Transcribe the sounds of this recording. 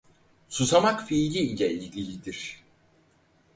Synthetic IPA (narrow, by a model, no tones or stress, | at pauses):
susamakfilʲiilʲɛilʲlʲilʲid̪iɾ̥